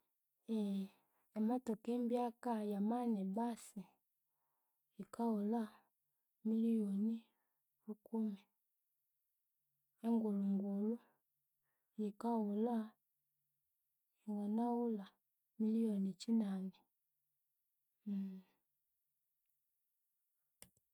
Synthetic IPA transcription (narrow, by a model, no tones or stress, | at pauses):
eː | matokembjakajamanebasi | ikaula | milijoni | ɾukumi | eŋɡuluŋɡulu | jikawula | iŋɡanawula | milionit͡ʃinani